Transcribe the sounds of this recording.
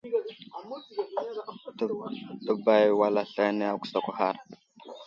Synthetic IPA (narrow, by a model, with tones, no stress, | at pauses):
tə˦˨ba˨jwa˨la˦ɬa˦ne˦a˦˨kʷu̥˨sa˨kʷa˨ha˦ɾ